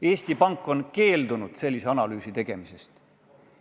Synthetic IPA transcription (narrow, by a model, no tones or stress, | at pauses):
e̞ːsʲt̪ipɑŋkːˑo̞nke̞ːld̪unud̪̥se̞lʲːiseɑnɑlyːsit̪e̞ɡ̥e̞mise̞st̪